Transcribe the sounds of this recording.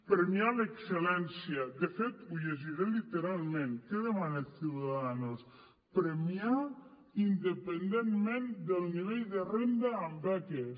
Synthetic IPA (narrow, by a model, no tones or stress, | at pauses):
pɾemialekselɛnsjad̪efet̪uʎeʒiɾelit̪eɾalˠmẽnkeðemanet̪θiwðaaðanos | pɾemia | ind̪epend̪enmend̪elˠniβejðerend̪aːmbakes